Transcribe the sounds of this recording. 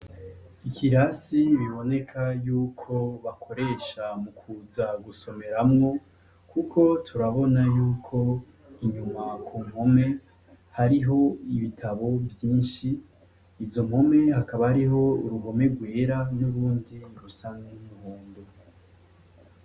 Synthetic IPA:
ikʰiɾasiβiβo̞ne̞kʰajuːkʰo̞βakʰo̞ɾe̞ːʃamukʰuzaɡuso̞me̞ɾamŋo̞ | kʰukʰo̞tʰuɾaβo̞najuːkʰo̞ | iɲumakʰum̥ho̞me̞ | haɾiɦo̞iβitʰaβo̞vjiːnʃiː | vzo̞m̥ho̞me̞hakaβahaɾiɦo̞ṵɾuɦo̞me̞ɡwe̞ːɾanuɾuːndiɾusanɡenuhuːndu

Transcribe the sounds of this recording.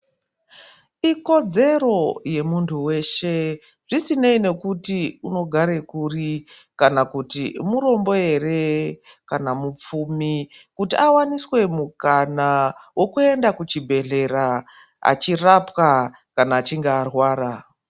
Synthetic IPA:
iko̞d͡ze̞ɾo̞je̞muntʰuwe̞ʃe̞ | ʐisineine̞kutiuno̞ɡʱaɾe̞kuri | kanakutimuɾo̞mbo̞je̞re̞ | kanamup͡fuːmikutiʔawaniswe̞mukanawo̞kue̞ndakut͡ʃibʱe̞ɮe̞ɾa | a̰t͡ʃirapka | kanaːt͡ʃiŋɡeːrwaːra

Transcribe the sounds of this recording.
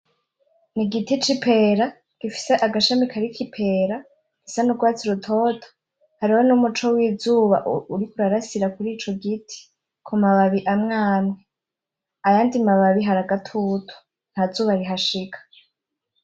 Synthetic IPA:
niɡitit͡ʃipʰe̞ːɾa | ɡ̥ifi̥se̞ʔaɡaʃamikʰaɾikʰipʰe̞ːɾa | ɡ̥isanuɡwaːt͡siɾutʰoːtʰo̥ | haɾiwo̞numut͡ʃo̞wiːzuːβaʔuɾikuɾaɾasiɾakuɾiːt͡ʃo̞ɡitʰi̥ | kʰumaβaβiʔamŋaːmŋe | ajaːndimaβaβiɦaɾaɡatʰutʰo̥ | n̥hazuːβaɾiɦaʃikʰḁ

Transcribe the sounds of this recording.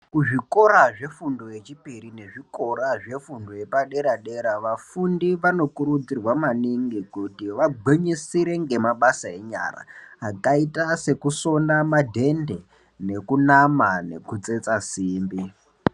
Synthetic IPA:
kuʐiko̞ɾaʐe̞fundo̞je̞t͡ʃipiɾine̞ʐiko̞ɾaʐe̞fundo̞je̞paɗe̞ɾaɗe̞ɾaʋafundiʋano̞kuɾud͡zirwamaniŋɡikutiʋaɡ͡bʱweɲisiɾe̞ŋɡe̞maɓasae̞ɲa̰ra̰ːkaitase̞kuso̞namadʱe̞nde̞ | ne̞kunamane̞̰kut͡se̞t͡sasiːmbi

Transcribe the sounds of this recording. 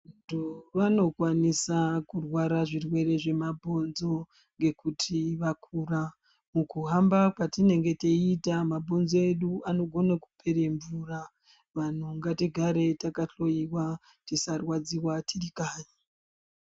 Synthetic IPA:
untuʋano̞kwanisakurwaɾaʐirwe̞re̞ʐe̞mabʱo̞nzo̞ | ŋɡe̞kutʰiʋakʰuːra | mukuɦambakwatine̞ŋɡe̞teitamabʱo̞nzoe̞ɗuano̞ɡʱo̞naku̥pʰe̞ɾe̞ɱvuːra | ʋan̤uŋɡatiɡʱaɾe̞takaɬo̞jiwa | tisarwad͡ziwatirikaːɲa

